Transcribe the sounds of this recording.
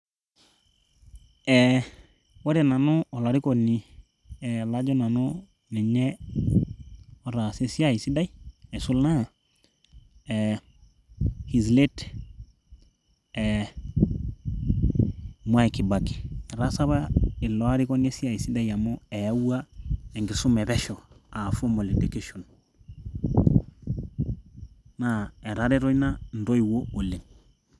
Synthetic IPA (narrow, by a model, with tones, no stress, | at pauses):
ɛ | wa˦ɾɛ˨na˨nu˦ɔ˨la˨ɾi˦kɔ˨ni˨ | ɛ˨la˦d͡ʒɔ˦na˨no˦ | nɛ˨ɲɛ˦ | ɔ˨ɾa˨se˦si˦a˦i˨si˦da˦i˦ɛ˨su˦lna˦˨ | ɛ | hi˨zle˦t | ɛ | mu˦a˦iki˨ba˨ki̥˨ɾa˦sa˦βa˦i˨lo˨a˦ɾi˦ko˦ne˦si˦a˨i˨si˦da˦ja˨mo˦e˨ja˦wa˦e˨ŋɡi˨su˦me˨be˦ʃoa˨fo˦mo˨li˨dekeʃo˨n | nae˨ɾa˦ɾe˦ɾo˦jna˦n̩˨do˦iwo˦o˨lːe˨ŋ